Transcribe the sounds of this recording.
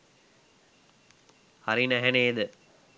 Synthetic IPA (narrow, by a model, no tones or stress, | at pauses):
hɐɾinæɦeneːd̪ɨ